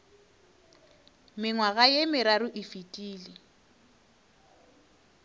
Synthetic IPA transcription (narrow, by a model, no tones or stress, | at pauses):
mɪŋwaɣajemɪɾaɾʊʔɪfitʼiːlɪ